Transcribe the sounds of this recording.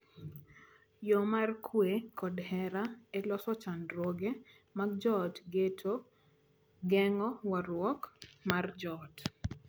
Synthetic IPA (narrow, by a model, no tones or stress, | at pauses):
jomarkʰwekɔdhɛɾaɛlɔsɔt͡ʃandɾoɡe | maɡ̚d͡ʒɔtɡetʰo | ɡɛŋɔwaɾwɔkmard͡ʒɔt